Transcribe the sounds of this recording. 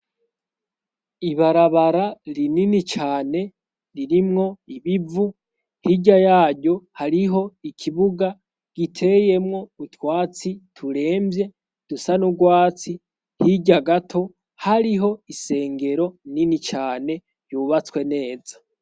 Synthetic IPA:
iβaɾaβaɾaɾininit͡ʃaːne̞ | ɾiɾimŋo̞iβivu | hiɟajaːɟo̞haɾiɦo̞ikʰiβuɡa | ɡ̥itʰe̞je̞mŋo̞utwaːt͡sitʰuɾe̞ːmbje̞ | d̥usanuɡwaːt͡si | hiɟaɡatʰo̞ | haɾiɦo̞ise̞ːŋɡe̞ɾo̞ninit͡ʃaːne̞ | juβat͡swe̞ne̞ːzḁ

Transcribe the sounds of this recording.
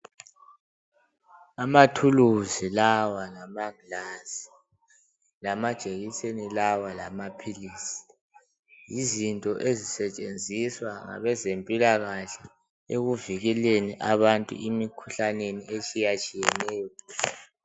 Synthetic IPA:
amatʰuluzilawalamaɡlasi̥ | lamad̥ʒ̥ʱeɣisenilawalamapʰiliːsi̥ | jizintʼɔʔezisɛt͡ʃʼend͡zʱiswaŋa̰βɛzempʼilaɣaɬɛ | eɣuviɣileniʔaβantʼṵʔimikʰuɬaneniet͡ʃʼijat͡ʃʼijɛnɛːjɔ

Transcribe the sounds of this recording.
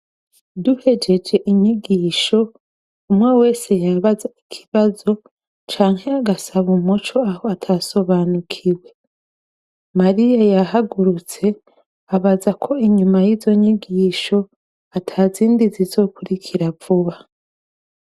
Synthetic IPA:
duhe̞d͡ʒe̞d͡ʒe̞ʔiɲiɡiːʃo̞ | umŋewe̞ːse̞jaβazai̥kʰi̥βazo̞ | t͡ʃaːŋhe̞aɡasaβumut͡ʃo̞ahoatʰaso̞βanukʰiwe̞ | maɾijajaɦaɡuɾut͡se̞ | aβazakʰo̞iɲumajizo̞ɲiɡiːʃo̞ | atʰaziːndizizo̞ːkuɾikʰiɾavuβa

